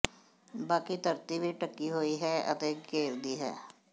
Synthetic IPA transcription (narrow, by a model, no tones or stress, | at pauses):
baːkit̪əɾt̪iːʋiʈəkːiːɦoːiːɦɛːə̰t̪eːɡeːɾd̪iːɦɛ̰ː